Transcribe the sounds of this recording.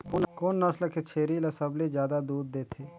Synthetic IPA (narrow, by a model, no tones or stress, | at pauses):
kʊnkonːəsləket͡ʃʰeːɾilasəbled͡ʒjaːd̪ad̪uːd̪̚ːeːt̪ʰeː